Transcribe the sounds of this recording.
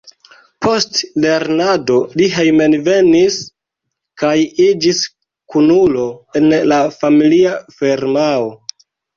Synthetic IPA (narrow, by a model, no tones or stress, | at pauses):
pʰo̞stle̞ɾnado̞liɦejmenve̞nis | kajid͡ʒis | kunulo̞e̞nlafamiliafeɾmao